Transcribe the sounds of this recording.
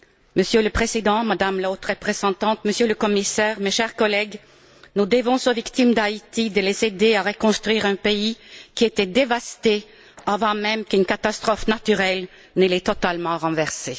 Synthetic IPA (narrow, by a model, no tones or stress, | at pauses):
məsjøləpχezid̪ɑ̃mad̪amlaot̪ʁəpχezɑ̃t̪ɑ̃t̪məsjøləkɔmisɛːʁmeʃɛʁkɔlɛɡ | nud̪əvɔ̃sovikt̪imd̪ait̪id̪əlezed̪eaʁəkɔ̃st̪χɥiːʁɛ̃peikʲiet̪ɛd̪evast̪e | avɑ̃mɛmkynkat̪ast̪χɔfnat̪yʁɛl | nəlɛt̪ɔt̪almɑ̃ʁɑ̃vɛʁse